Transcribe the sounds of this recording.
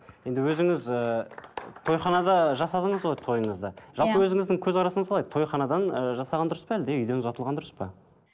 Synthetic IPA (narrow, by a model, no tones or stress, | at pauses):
je̞nd̪ɪwɵzɪŋɪzə | t̪ʰo̞jχɑnɑd̪ɑʒɑsɑd̪əɴəzʁojt̪ʰo̞jəɴəzd̪ɑʒɑlˠpəwɵzɪŋɪzd̪ɪŋkʲʰɵzʁɑɾɑsəɴəzqʰɑlˠɑjd̪ət̪ʰojχɑnɑd̪ɑnəʒɑsɑʁɑnd̪ʊɾəspæld̪eʏjd̪e̞nzɑt̪əlˠʁɑnd̪ʊɾəspɑ